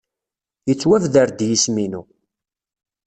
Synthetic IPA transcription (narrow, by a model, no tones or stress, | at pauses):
jət͡sːwævðəɾd̪jisminu